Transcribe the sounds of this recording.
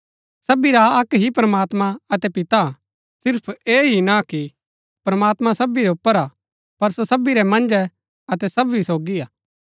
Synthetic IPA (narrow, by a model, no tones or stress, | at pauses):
sɐbiɾaɐkɦipɾɐmaːt̪mãɐt̪ɛpɪt̪a | sɪɾpʰeːɦinaki | pɾɐmaːt̪mãsɐbiɾɛʊpːəɾa | pɐɾsosɐbiɾɛmɐ̃nd͡ʒɛ | ɐt̪ɛsɐbɦisoːɡiaː